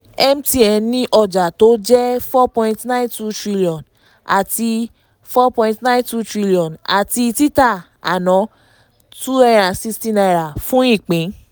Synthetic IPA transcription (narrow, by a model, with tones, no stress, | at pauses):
ɛ˦m̩ti˧ɛ˧nĩ˦ʔɔ˧d͡ʒa˨to˨˦d͡ʒɛ˦fɔ˦pɔ̃˧ĩ˧tnã˦ntu˦tɾi˦˧li˧ɔ̃˨n | a̰˨ti˧ | fɔ˦pɔ̃˧ĩ˧tnã˦ntu˦tɾi˦li˧ɔ̃˨na̰˨ti˧i˧ti˦ta˦˨ | a̰˨nɔ̃˨˦ | tu˦ɛ˧ɾ̃ã˨si˦˧stĩ˦na˧i˨ɾa˨fũ˨˦ĩ˦˨k͡pẽ˨˦